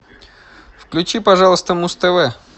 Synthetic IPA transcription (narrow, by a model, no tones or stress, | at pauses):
fklʲʉt͡ɕipɐʐɑlˠəst̪əmust̪ɛvɛ